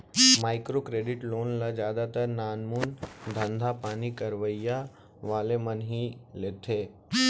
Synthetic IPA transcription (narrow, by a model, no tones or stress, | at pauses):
maːɪkɾokɾeːɖɪʈloːnlad͡ʒjaːd̪at̪əɾnaːnmund̪ʱə̃nd̪ʱapaːnikəɾʋəja | ʋaːlemənɦileːt̪ʰeː